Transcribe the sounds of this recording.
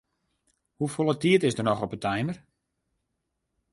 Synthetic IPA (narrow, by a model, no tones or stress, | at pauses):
hufolˠətiətɪsdərnɔxɔpətʰɛjmər